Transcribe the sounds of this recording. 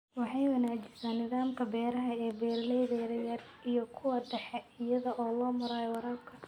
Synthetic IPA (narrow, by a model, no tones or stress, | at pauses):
wɑħɑjwɐnaːd͡ʒɪsaːnːɪðaːmkʰɐbɛːɾɐɦɐɛːbɛːrlɛjðɛjɾɐjɐrʔijɔkʰʊwɐɖɛħɛɪjɐðɐʔɔːlɔːmʊɾaːjwɑɾaːb̚kʰɐ